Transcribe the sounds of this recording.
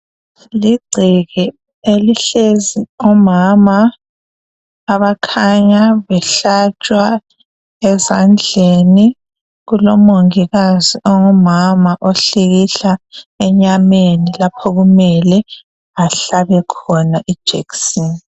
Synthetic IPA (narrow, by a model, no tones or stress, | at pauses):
liɡ͡ǀʱiɣi | eliɬeziɔmama | βakʰaɲaβɛɬat͡ʃʼwa | ɛzand͡ɮʱeni | ɣulɔmoŋiɣaziʔɔŋɔmamaʔoɬiɣiɬaɛɲamenilapʰɔɣumɛlɛ | aɬaβɛkʰɔnaʔid̥ʒ̥ʱḛksin